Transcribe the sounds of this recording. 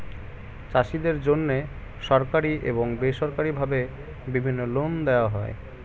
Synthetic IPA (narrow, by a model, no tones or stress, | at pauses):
t͡ɕaʃid̪eɾd͡ʑonːe | ʃɔɾkaɾiʔḛβoŋbeʃɔɾkaɾibʱabe | bibʱinːolond̪eoaɦɔe